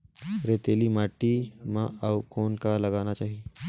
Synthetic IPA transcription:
ɾet̪eːlimaːʈːimãɐʋkɔːnkalɐɡaːnat͡ʃaːɦie

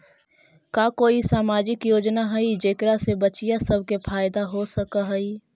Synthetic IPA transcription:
kaːkoːisaːmaːd͡ʒɪkjoːd͡ʒnaɦɐid͡ʒeːkɾasebət͡ʃijasəb̚ʱkepʰaːjd̪aɦosəkaɦɐi

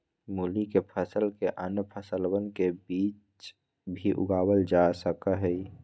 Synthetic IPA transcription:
mulikepʰəsəlkeʔənpʰəsəlwənkebiːt͡ʃ | bʱiʔʊ̰ɡaːwəld͡ʒasəkəɦɛi

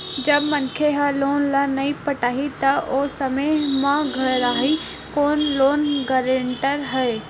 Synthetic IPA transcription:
d͡ʒɐbmənkʰeɦaloːnlanɐĩpəʈaːɦit̪aʔoːsəməmãɡʱəɾaːɦi | koːnloːnɡəɾeɳʈəɾɦɛe

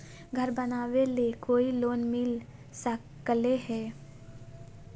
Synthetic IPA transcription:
ɡʱəɾbənaːʋelekʰoːiloːnmɪl | sə | kəleɦɛː

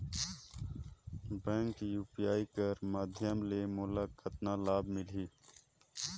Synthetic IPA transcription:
bẽːŋkjuːpijaːikəɾmaːd̪ʱjəmlemʊːlaːkət̪naːlaːbmɪliː

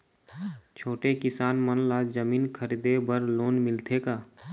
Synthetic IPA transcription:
t͡ʃʰoːʈekɪsaːnmənlaːzəmiːnkʰəɾiːd̪ebəɾloːnmɪlt̪ʰekaː

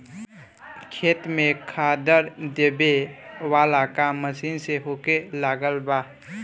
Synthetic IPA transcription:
kʰeːt̪mẽkʰaːd̪əɾd̪eːbewaːlakaməsiːnseɦoːkelaːɡəlbaː

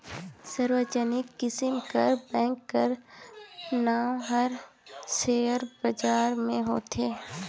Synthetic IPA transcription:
səɾwəd͡ʒənɪkːɪsɪmkəɾbɛ̃ːŋkːəɾ | naːɦəɾ | seːəɾbəd͡ʒaːɾmẽɦo̰ːt̪ʰeː

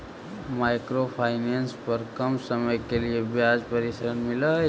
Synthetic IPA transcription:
maːɪkɾopʰaːɪneːnspɐɾkɐmsɐməjkeliebjaːd͡ʒpɐɾɪsəɾənmɪla

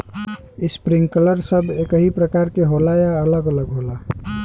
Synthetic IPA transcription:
ispɾĩŋɡkələɾsəbʱekəɦipɾəkaɾkeɦolajaələɡələɡɦola

